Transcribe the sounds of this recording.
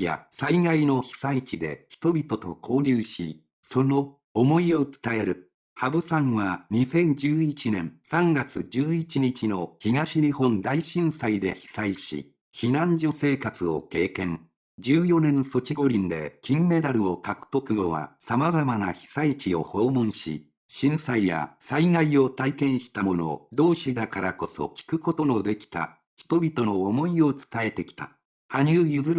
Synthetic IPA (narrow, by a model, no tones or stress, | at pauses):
ja̰saiɡaino̞çi̥sait͡ɕid̪e̞̰çi̥t̪o̞bʲit̪o̞t̪o̞kʰo̞ːɾʲɨːɕḭ | so̞no̞ː | mo̞io̞t͡sɨ̥t̪ae̞ɾɯ̟ | habɯ̟sãɰ̃βaɲ̟isẽ̞ɲd͡ʑɨːit͡ɕinẽ̞̰ɰ̃sãŋɡat͡sɨd͡ʑɨːit͡ɕiɲit͡ɕino̞çiɡaɕiɲihõ̞nd̪aiɕĩɰ̃said̪e̞̰çi̥saiɕḭ | çinãɲd͡ʑo̞se̞ːkat͡sɨo̞̰ke̞ːkẽ̞ŋ | d͡ʑɨːjo̞nẽ̞ɰ̃so̞t͡ɕiɡo̞ɾʲĩnd̪e̞̰kʲĩmːe̞d̪aɾɯ̟o̞kakɯ̟̥t̪o̞kɯ̟ɡo̞βa̰samazamanaçi̥sait͡ɕio̞̰ho̞ːmõ̞ɰ̃ɕḭ | ɕĩɰ̃saija̰saiŋaio̞t̪aikẽ̞ɰ̃ɕi̥t̪amo̞no̞̰d̪o̞ːɕid̪akaɾako̞so̞̰kʲi̥kɯ̟ko̞t̪o̞no̞d̪e̞kʲi̥t̪a̰ | çi̥t̪o̞bʲit̪o̞no̞ːmo̞io̞t͡sɨ̥t̪ae̞t̪e̞kʲi̥t̪a̰ | haɲ̟ɨːjɯzɨɾ